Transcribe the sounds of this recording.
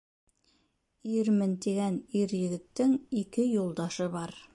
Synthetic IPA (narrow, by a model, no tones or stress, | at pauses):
iɾmɘnt̪iɡæniɾjɘ̆ɡɘ̆t̪ːɘŋikɘjulˠd̪ɑʃɤbɑɾ